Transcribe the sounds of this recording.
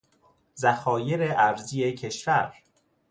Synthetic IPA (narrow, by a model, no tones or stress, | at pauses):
zæxɒːje̞ɾeʔæɾziːecʰe̞ʃvæɾ